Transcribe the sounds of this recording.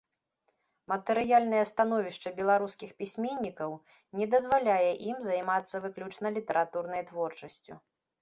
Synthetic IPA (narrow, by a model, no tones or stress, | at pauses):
mɐt̪ɛɾɨjalʲnɐjɛst̪an̪ɔvʲiʂt͡ʂɐbʲɛlˠaɾuskʲixpʲisʲmʲenʲːikɐw | nʲɛd̪ɐzvalʲajɛʔimzɐjmat̪sːɐvɨklʲut͡ʂnɐlʲit̪ɛɾat̪urnɐjt̪vɔrt͡ʂɐsʲt͡sʲṵ